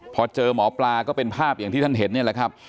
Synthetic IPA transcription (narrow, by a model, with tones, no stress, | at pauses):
pʰɔː˧t͡ɕɤː˧mɔː˩˦plaː˧kɔː˥˩pe˧npʰaː˥˩p̚ja˨˩ŋt̪i˥˩t̪ʰnɦe˩˦nːi˥˩ɐla˨˩kʰɾa˦˥p̚